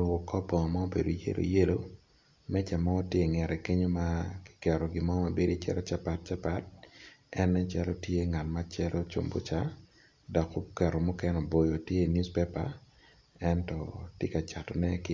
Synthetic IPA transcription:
o˨kɔ˦pɔ˨ŋɔ˨ma˦o˦bḛ˨do˨jḛ˦lo̰˨je˦lo˦ | mɛ˦t͡ʃa˨mɔː˦tje˨ŋɛ˨ɾɛ˨ke˦ɲo˦ma˦kɪ̥˨kɛ˨ɾɔ˨ɡɪ˨mɔ˦ma˨be˦ɾi˦t͡ʃɛ̰˨ɾɔ˦t͡ʃa˦pa˦t̚t͡ʃa˦pa˦t̚ɛ˦nɛ˦t͡ʃa˦lo˦tje˦ŋa˨tma˦t͡ʃɛ˦lʔo˦t͡ʃo̰˨mbo̰˦t͡ʃa˦ | dɔ˨ko˦kɛ˨ɾɔ˨mu˦kɛ˦nɔ˨bo˨jo˨tje˦˨nju˦spe˦pa̰˨ | ɛ˦ntɔ˨tje˦ka˨t͡ʃa˨tɔ˨nɛ˦kɪ˦

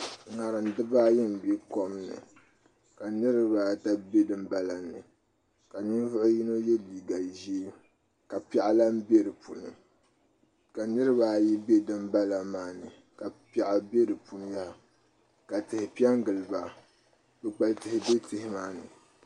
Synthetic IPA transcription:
ŋa˨ɾɨ˨n˨˦dɨ˦ba˦jɛ˦m̩˨be˦ko˦mnɨ̰˨ | ka˨nɨ˦ɾɨ˦ba˨ta˦be˦dɨ˦m˦ba˦la˨nɨ̰˨ | ka˨ni˦n˦vʊ˦ʔʊ˦ji˦no˦jɛ˦liː˨ɡa˨ʒi˦ | ka˨pɛ˨ʔa˦la˦m˦be˦ɾɨ˨pʰu˨nɨ̰˨ | ka˨nɨ˦ɾɨ˦ba˨ji˦be˦dɨ˦m˦ba˦la˨maː˨˦nɨ˨ | ka˨pa˨ʔa˨be˦ɾɨ˨pu˨n˦ja˦ha˨ | ka˨tɨ˨hɪ˨pi˦ɛ˦ŋ˦ɡɨ˨lɨ˨ba˨ | bɨ˨k͡pa˦ltɨ˨hɪ˨be˦tɨ˦hɪ˦maː˦nɨ̰˨

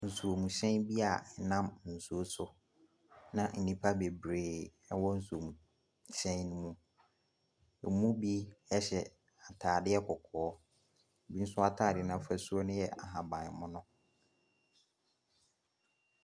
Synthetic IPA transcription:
n̩˨su˨o˨mũ˨ɕɛ̃˦bi˦a˨˦nã˦mn̩˨su˨o˦sʊ˦ | nã˦n̩˨nĩ˨pʰa˦be˨bɾeː˨ɛ˦wɔ˦n̩˦su˨o˨mũ˨ | ɕɛ̃˦nũ˦mũ˨ | ɛ̰˨mũ˦bi˦ɛ˦ɕɛ˨ | a˨tʰaː˨dɪ˦ɛ˦kʰɔ˨kʰɔː˨˦˨ | bi˦n̩˦sʊ˦a˦tʰaː˦˨dɪ˨nã˨fɛ˨su˦o˦nʊ̃˦jɛ˨a̰˨ɦã˨bã˨n˨mʊ̃˦nʊ̃˦

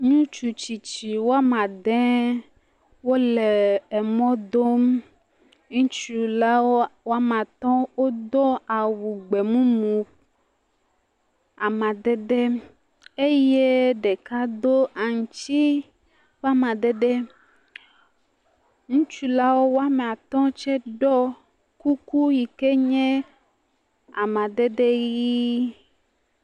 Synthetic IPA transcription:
ɲũ˦t͡ʃu˨t͡ɕi˨t͡ɕi˨wo˦a˦mã˨ɖɛ̃˦ | wo˦le˨ɛ˨mɔ̃˦d̪o˦m | ŋũ˦t͡ʃu˦la˦wo˦wo˦a˦mã˨t̪ɔ̃˦wo˦d̪ɔ˦a˨wu˨ɡ͡be˨mũ˦mũ˨ | a˨mã˨d̪ɛ˦ɖɛ˦ | e˦je˦ɖɛ˨ka˦d̪o˦ʔa˨ŋ˨t͡ʃt͡ɕi˦ | va˦mã˨ɖ̪ɛ˦ɖɛ˦ | ŋũ˦t͡ʃu˦la˦wo˦wo˦a˦mɛ̃˨a˨t̪ɔ̃˦t͡ʃɛ˦ɖɔ˦ | ku˦ku˦ji˨ke˦ɲɛ̃˦ | a˨mã˨ɖ̪ɛ˦ɖɛ˦ji˦

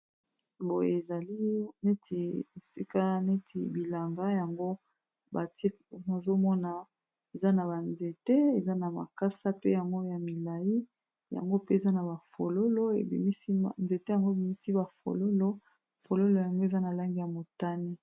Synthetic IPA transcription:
bo˨je˨za˨li˦ne˦ti˨e˨si˦ka˦ne˦tḭ˨bi˨la˨ŋɡa˦ja˨ŋɡo˦ | ba˨ti˦ | na˨zo˦mɔ˦na˨ | e˨za˦na˨ba˨nze˨te˦e˨za˦na˨ma̰˨ka˦sa˦pe˦ja˨ŋɡo˦ja˨mi˨la˨ji˦ | ja̰˨ŋɡo˦pe˦e˨za˦na˨ba˨fo˨lo˦lo˦ḛ˨bḭ˨mi˦si˦˨nze˨te˦ja˨ŋɡo˦e˨bi˨mi˦si˦ba˨fo̰˨lo˦lo˦ | fo˨lo˦lo˨ja˨ŋɡo˦e˨za˦na˨la˦ŋɡi˦ja˨mo˨ta˦ni˦

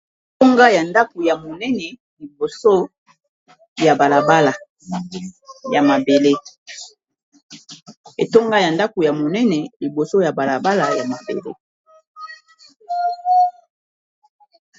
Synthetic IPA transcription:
to˦ŋɡa˦ja˨nda˦ko˨ja˨mo˨nɛ˦nɛ˨ | li˨bo˨so˦ | ja˨ba˨la˨ba˦la˨ | ja˨ma˨be˨le˦ | e˨to˦ŋɡa˦ja˨nda˦ko˨ja˨mo˨nɛ˦nɛ˨li˨bo˨so˦ja˨ba˨la˨ba˦la˨ja˨ma˨ko̰˨ɡo̰˦

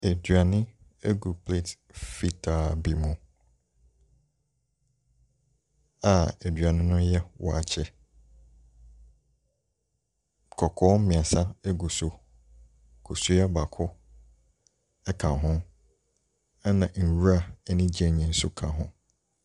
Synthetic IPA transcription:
e˨dɥa˨nɪ̃˦ | e˦ɡu˨pʰle˦˨t | fi˦tʰa˨bi˨mʊ̃˨ | a˨e˨dɥa˨nɪ̃˦nʊ̃˦jɛ˦wʔɔ̰˨a̰˨t͡ɕʰɛ˦ | kʰɔ˨kʰɔː˦m̩˦mɪ̃˨a˨sa˦ɛ˦ɡu˨sʊ˨ | kʰo˨su˦jɛ˦ba˨kʰʊ˦ | ɛ˦kʰã˨ɦʊ̃˦ | a˦nã˨n̩˨wu˦ɾa˦˨ɛ˦nɪ̃˦d͡ʑi˦ɛ˨ɲĩ˨n̩˦sʊ˦kʰã˨ɦʊ̰̃˦

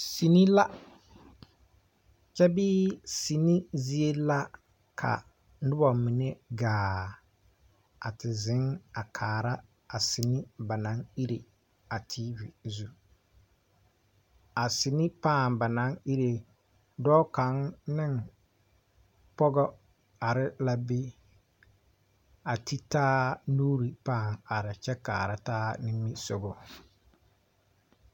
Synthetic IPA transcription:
si˨ni˦la˦ | t͡ʃɛ˦bi˦si˨ni˦zi˦e˦la˦ | kʰa̰˨ | n˦dɪ˦bɔ˨mi˨ne˦ɡaː˨ | a˨tɪ˨zɪ˨˦ŋa˨kʰaː˨ɾa˦ | a˨si˨ni˦ba˨na˨˦ŋi˦ɾe˨ | a˨tʰiː˦vi˨zu˨ | a˨sɪ˨ni˦paː˦˨ŋba˨nã˨˦ŋi˦ɾe˨ | dɔː˦ka˨˦nnɪ̃˦˨ŋ | pɔ˦ɡɔ˦ | a˨ɾɪ˦la˦be˦ | a˨tʰi˦taː˦nuː˦ɾi˨pãː˦˨ŋa˨ɾɪ˨t͡ʃɛ˦ka̰ː˨ɾa˦taː˦nɪ̃˦mː˦i˦sʊ˨ɡɔ˨

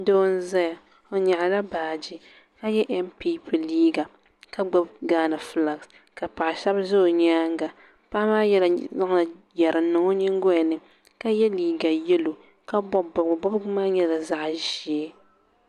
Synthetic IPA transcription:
do˦n˦za˦ja˨ | o˨ɲa˨ʔa˨la˦baː˨d͡ʒi˦ | ka˦jɛ˦ʔɛ˦mpi˦pɨ˨liː˦ɡa˨ | ka˦ɡ͡ba˦b̚ɡaː˦nɨ˨fla˨ks | ka˨pa˨ʔʃɛ˦bzʊ˦˨ɲaː˦ŋ˦ɡa˨ | pa˦maː˦jɛ˦la˨za˦ŋ˨a˨ | jɛ˨ɾɨ˨˦nːɨ˨ŋo˦ɲɛ˦ŋ˦ɡɔ˦jɛ˨nɨ˨ | ka˦jɛ˦liː˨ɡa˨jɛ˦lo˨ | ka˦bɔ˦bbɔ˦bmaː˦ɲɛ˦la˨za˦ʔʒi˨e˦

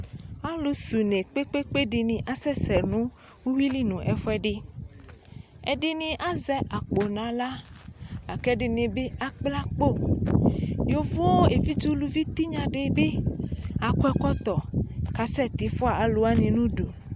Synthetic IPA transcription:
a˦lo˨su˨ne˨k͡pe˦k͡pe˦k͡pe˦ɖe˨nĩ˨ʔa˦sɛ˦sɛ˨nũ˦ | wu˦wi˦li˦nũ˨ʔɛ˨fɛ˦ɖe˦ | ḛ˨ɖe˦nĩ˨ʔa˦zɛ˦ʔa˨k͡po˨nã˨la˦ | a˨kɛ˦ɖe˨nẽ˨be˦a˦k͡pla˦k͡po˦˨ | jo˨vo˦e˨vi˦d͡ʒo˦lu˦vi˦t̪i˦ɲã˨ɖe˦be˦a˨kwɛ˦kɔ˦t̪ɔ˨ka˨sɛ˦t̪i˨fɔ˦a˨a˨lo˦a˦nĩ˨nũ˦ɖo˨

